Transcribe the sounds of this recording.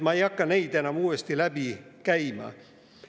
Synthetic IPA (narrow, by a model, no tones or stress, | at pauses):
mɑejɑkːɑnejd̪enɑmuːest̪ilæbikæjmɑ̰